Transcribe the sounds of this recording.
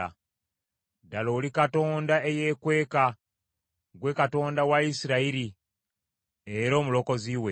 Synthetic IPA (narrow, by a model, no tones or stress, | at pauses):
a̰ | dalo̞ːlikato̞ːndaeje̞kwe̞ːka | ɡwe̞kato̞ːndawaisiɾaiɾi | eɾo̞ːmulo̞ko̞ziwe